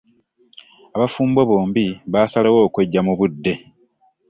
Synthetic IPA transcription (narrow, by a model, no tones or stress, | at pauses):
aβafuːmboβo̞ːmbiβaːsalawo̞ːkwe̞ɟːamuβudːe̞